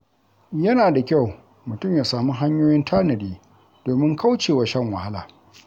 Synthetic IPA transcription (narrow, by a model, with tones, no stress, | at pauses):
jɐ˦naː˨da˨kʲa˦˨w | mʊ˨tʊ˦˨mjaː˨saː˨mu˦ɦa˦ɲjoː˦jɪ˦ntʰaː˦nɐ˨diː˦ | doː˨mɪ˦ŋkʰa˦wt͡ʃeː˨wa˦ʃɐ˦˨ŋwɐ̰˨ha˦la̰ː˨